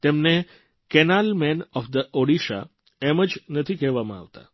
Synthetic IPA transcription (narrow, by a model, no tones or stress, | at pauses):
t̪emne | kɛnalmenɔfd̪əʔoɽiʃa̰ | eməd͡ʒnət̪ʰikɛɦʋamã̰a̰ʋt̪a̰